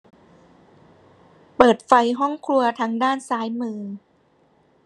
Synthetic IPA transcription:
pɤː˨˩t̪̚fa˧jɦɔ˥˩ŋkʰlu˧ɐt̪ʰa˧ŋdaː˥˩nsaː˨˦˥jmɯː˧

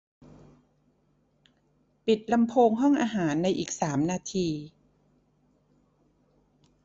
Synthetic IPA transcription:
pi˨˩t̪̚la˧mpʰoː˧ŋɦɔ˥˩ŋʔaː˧ɦaː˩˦nːa˧jʔiː˨˩k̚saː˩˦mnaː˧t̪ʰiː˧

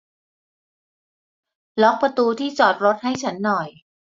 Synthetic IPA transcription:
lɔ˦˥k̚pa˧t̪uː˧t̪ʰiː˥˩t͡ɕɔː˨˩t̪̚ɾo˦˥t̪̚ha˥˩jt͡ɕʰa˦˥nːɔ˨˩j

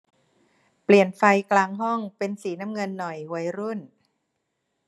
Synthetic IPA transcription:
pli˨˩ənfa˧jklaː˧ŋɦɔ˥˩ŋpe˧nsiː˩˦na˦˥mŋɤ˧nːɔ˨˩jwa˦˥jɾu˥˩n

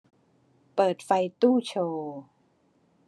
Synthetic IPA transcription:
pɤː˨˩t̪̚fa˧jt̪uː˥˩t͡ɕʰoː˧

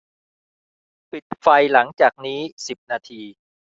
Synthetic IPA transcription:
pi˨˩t̪̚fa˧jla˩˦ŋt͡ɕaː˨˩k̚niː˦˥si˨˩p̚naː˧t̪ʰiː˧

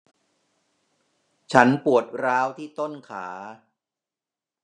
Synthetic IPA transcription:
t͡ɕʰa˦˥npu˨˩ət̪̚ɾaː˦˥wt̪ʰiː˥˩t̪o˥˩nkʰaː˩˦

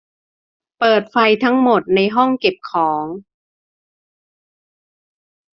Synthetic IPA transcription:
pɤː˨˩t̪̚fa˧jt̪ʰa˦˥ŋmo˨˩t̪̚na˧jɦɔ˥˩ŋke˨˩p̚kʰɔː˩˦ŋ

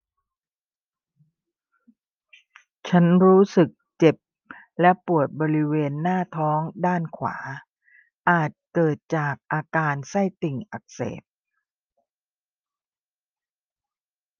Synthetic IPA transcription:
t͡ɕʰa˦˥nɾuː˦˥sɯ˨˩k̚t͡ɕe˨˩p̚ | lɛ˦˥pu˨˩ət̪̚bɔː˧ɾi˦˥weː˧nːaː˥˩t̪ʰɔː˦˥ŋdaː˥˩nkʰwa̰ː˩˦ | ʔaː˨˩t̪̚kɤː˨˩t̪̚t͡ɕaː˨˩k̚ʔaː˧kaː˧nsa˥˩jt̪i˨˩ŋʔa˨˩k̚sḛː˨˩p̚

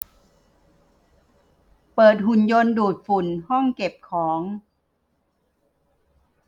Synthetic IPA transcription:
pɤː˨˩t̪̚hu˨˩njo˧nduː˨˩t̪̚fu˨˩nhɔ˥˩ŋke˨˩p̚kʰɔː˩˦ŋ

